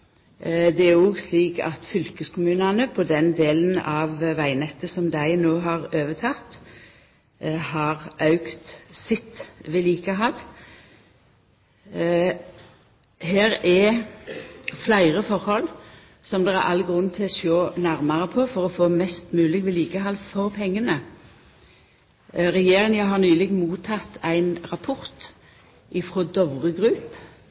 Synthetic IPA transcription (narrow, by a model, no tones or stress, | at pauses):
d̪ɛæɔːɡsliːkɑ̰t̪fʏlkəskʰʊmʉːnɑnəpʰɔd̪ɛnd̪eːlənɑʋʋæɪnɛt̪ːəsɔmd̪æɪnoːɦɑʁøːʋət̪ʰɑt̪ː | hɑʁʔɑʉkt̪sɪt̪ʋɛliːkəɦɑlː | heːɾɛ | flæɪʁəfɔʁhɔl | sɔmd̪ɛæ̰ʁɑ̰lːɡʁʉnːt̪ʰɪlɔʃoːnæʁmɑʁəpʰoːfɔʁɔfoːmɛst̪mʉːlɪɡʋɛliːkəɦɑlːfɔʁpʰɛŋːənə | ʁɛjeːʁɪŋjæɦɑʁnyːlɪɡ̪muːt̪ʰɑt̪æɪnʁɑpʰʊʁt̪ | ʔɪfʁoːd̪ɔʋʁəɡʁʉːp